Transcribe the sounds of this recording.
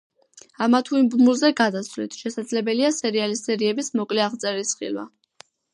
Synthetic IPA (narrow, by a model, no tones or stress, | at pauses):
amat̪ʰuimbumulˠzɛɡad̪asvlit̪ʰʃɛsad̪zlɛbɛliasɛɾialisɛɾiɛbismɔkʼlɛaʁt̪sʼɛɾisχḭlˠwa̰